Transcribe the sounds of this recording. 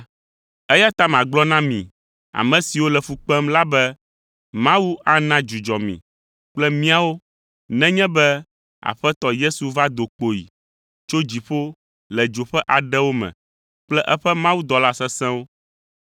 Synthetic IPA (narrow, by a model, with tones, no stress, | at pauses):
ɛ˦ja˦t̪a˦mã˨ɡ͡blɔ˦nã˦mḭ̃˨ | a̰˨mɛ̃˨si˨wo˦lɛ˨fu˨k͡pɛ˦mla˦bɛ˦ | mã˦wu˦a˦nã˦d͡ʒu˨d͡ʒɔ˨mḭ̃˨ | k͡plɛ˦mĩ˦a˨wo˦ | nɛ̃˦ɲɛ̃˦bɛ˦ | a̰˨ɸɛ˦t̪ɔ˦je˦su˨va˦d̪o˨k͡po˨jḭ˨ | t͡ʃo˦d͡ʑi˨ɸo˦ | lɛ˨d͡ʒo˨ɸɛ˦ʔa˨ɖɛ˦wo˦mɛ̰̃˨ | k͡plɛ˦ʔɛ˦ɸɛ˦mã˦wu˦d̪ɔ˨la˦sɛ˦sɛ̃˦wo˦